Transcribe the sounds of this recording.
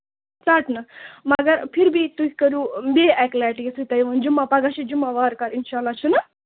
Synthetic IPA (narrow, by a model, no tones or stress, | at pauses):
saːʈnɐmɐɡɐɾpʰiɾbʱit̪ukikɐɾubʲeːɛklaʈisɨt̪ɐjʋɐnd͡ʒumːapɐɡaʃid͡ʒumːaʋaːɾkaɾinʃaːlːaːt͡ʃʰunɐ